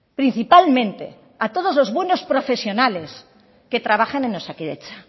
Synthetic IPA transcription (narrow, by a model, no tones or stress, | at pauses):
pɾin̟θipalmẽ̞nt̪e̞̰ | at̪o̞ð̞o̞zlo̞zβwe̞no̞spɾo̞fe̞sjo̞nale̞s | ke̞t̪ɾaβ̞axanẽnosakiðḛt͡ʃa